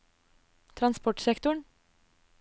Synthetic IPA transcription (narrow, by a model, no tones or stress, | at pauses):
t̪ʰɾɑnspɔʈsɛkt̪ʊɳ